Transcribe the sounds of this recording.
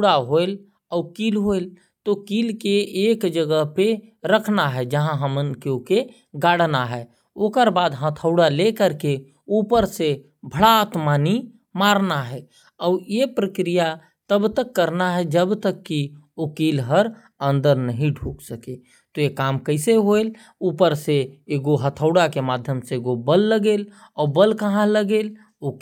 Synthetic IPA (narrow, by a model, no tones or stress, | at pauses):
ɽaɦoel | aʊkiːlɦoel | t̪okilkeːkd͡ʒəɡəɦpeɾəkʰnaɦɛd͡ʒəɦãɦəmənkeuke | ɡaːɽ̤naɦɛ | okəɾbaːd̪ɦãt̪ʰəʊɽalekəɾke | upəɾse | bʱəɽat̪mani | maɾnaɦɛ | ɔːɾjepɾəkɾija | t̪əbt̪əkːəɾnaɦɛd͡ʒəbt̪əkːi | okiːlɦəɾ | ə̃nd̪əɾnəɦĩɖʱuːksəke | t̪ojekaːmkəɪseɦoel | uːpəɾseeɡoɦət̪ʰəʊɽakemaːd̪ʱjəmseɡobəlːəɡeːl | ɔːbəlkəɦãləɡeːl | ok